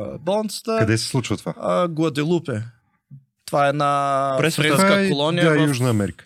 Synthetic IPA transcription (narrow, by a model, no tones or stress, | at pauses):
bɐlˠant̪sə̥t̪əkɐd̪ɛsɛ̥slˠut͡ʃvət̪ovaɡuɐd̪ilˠupɛ | t̪ovaɛd̪napɾɛsɾɛakkolˠɔnijajuʒnɐːmɛɾikə̥